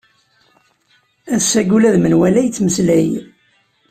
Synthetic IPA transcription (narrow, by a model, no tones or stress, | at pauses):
æðsæɡulæðmənwælæjət͡sːməslæj